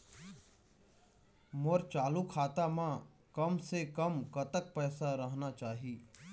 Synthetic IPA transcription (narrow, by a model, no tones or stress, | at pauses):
moɾt͡ʃaːlukʰaːt̪amã | kəmsekəmkɐt̪ək̚pɛːsaɾəɦnat͡ʃaːɦiː